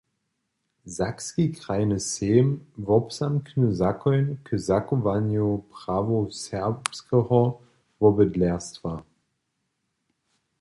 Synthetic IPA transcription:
zakskikʁ̥aɪnəseːmvɔpsamknuzakʰɔʏnkʰəzakovanjopʁ̥aːvosɛɐpskʰəhɔ | vɔbədlɛɐstv̥a

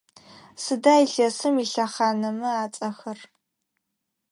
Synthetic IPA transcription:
sɨdaːjɬɐsɨmiɬɐχaːnɐmɨaːt͡sʼɐxɐr

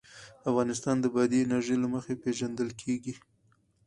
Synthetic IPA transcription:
afɣɑnɪst̪ɑnd̪əbad̪inaʒəjlaməxepeʒand̪əlkʰeɡi

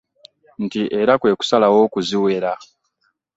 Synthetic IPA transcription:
ntiʔe̞ɾakwe̞ːku̥salawoːkuziwe̞ɾa

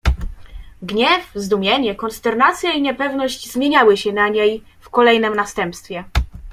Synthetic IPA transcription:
ɡɲɛfzd̪umʲjɛɲɛkɔnst̪ɛɾnat̪sʲjaiɲɛpɛvnɔɕt͡ɕzmʲjeɲawɘɕɛnaɲej | fkɔlɛjnɛmnast̪ɛmpst̪fʲjɛ

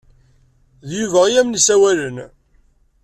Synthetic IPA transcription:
ðjuvæʁijæmnisæwælən

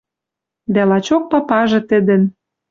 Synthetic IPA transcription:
d̪ælɑt͡ɕok̚pɑpɑʒɤ̆t̪ə̆d̪ə̆n

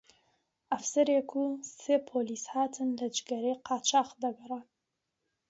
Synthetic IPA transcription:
ʔɐfsɐɾeːkʰuseːpʰoːliːshaːt̪ʰɨnlɐd͡ʒɡɐɾejqɑːt͡ʃaːqd̪ɐɡɐra

